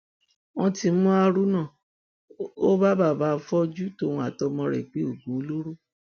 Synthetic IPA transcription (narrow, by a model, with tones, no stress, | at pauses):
wɔ̃˧ti˧˦mũ˦a˧ɾu˦nã˦˨ | o˦ba˦ba˦˨ba˦˨˧fɔ˦d͡ʒu˦to˦˨ũ˧a˨tɔ˧mɔ̃˧ɾɛ̰˨k͡pi˨˦o˦˨ɡũ˨˦o˦lo˦ɾu˦